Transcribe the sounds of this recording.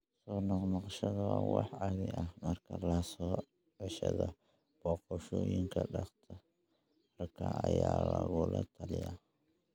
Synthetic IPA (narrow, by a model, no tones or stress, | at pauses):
sɔːnɑqnɑqʃɐðɐwɑwɑħʕɑβɪʔɐhmɐrkʰɐlɐsɔː | ʕɛʃɐðɔ | b̥ɔːqɔʃɔːjɪŋkʰɐɖɑqt̪ʰɔ | mɐrkʰɐɐjaːlɐɣʊlʔɐt̪ʰɐlɪja